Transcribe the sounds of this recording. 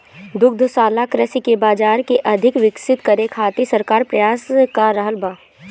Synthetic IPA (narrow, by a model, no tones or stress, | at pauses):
d̪ʊk̚d̪ʱsaːlakɾəsikebaːd͡ʒaːɾkeʔɐd̪ʱɪkʋɪksɪt̪kɐɾekʰaːt̪isɐɾkaːɾpɾɐjaːskaɾɐɦəlbaː